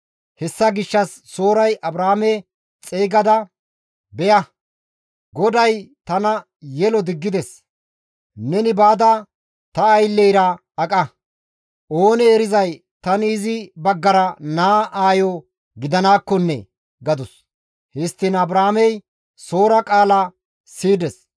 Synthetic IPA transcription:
hɛsːɐɡɪʃːɐsːo̞ːɾɐjʔɐbɾaːmɛ | t͡sʼeːɡɐd̪ɐ | bɛjɐ | ɡɔd̪ɐjt̪ɐnɐ | jɛlɔd̪ɪɡːɪd̪ɛs | nɛnɪbaːd̪ɐ | t̪ɐːjlːɛjɾɐ | ɐkʼɐ | ʔo̞ːnɛːɾɪzɐj | t̪ɐnːzɪbɐɡːɐɾɐnaːʔaːjɔ | ɡɪd̪ɐnaːkːɔnːɛ̰ | ɡɐd̪ʊs | hɪst̪ːɪnɐbɾaːmɛj | so̞ːɾɐkʼaːla | siːd̪ɛs

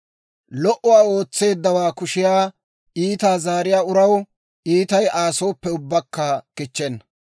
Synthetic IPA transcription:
lɔʔɔwaːo̞ːt͡sːe̞ːd̪ːɐwaːkʊʃɪjaː | ʔiːt̪aːzaːɾɪjaːʊɾɐw | ʔiːt̪ɐjʔaːso̞ːpːɛʊbːɐkːɐkɪt͡ʃːɛnːɐ

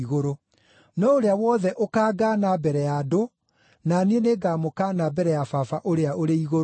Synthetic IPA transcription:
iɣoɾo | nɔoɾeawɔːðɛʔokaːɡaːnabɛɾɛjado | nanieneɡaːmokaːnabɛɾɛjafafaʔoɾeaoɾeiɣoɾ

